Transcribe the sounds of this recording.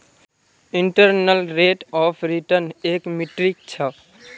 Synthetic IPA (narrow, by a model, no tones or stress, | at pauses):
iɳʈəɾnəlɾeʈɔpʰɾiʈəɾnekmiʈɾik̚t͡ʃʰə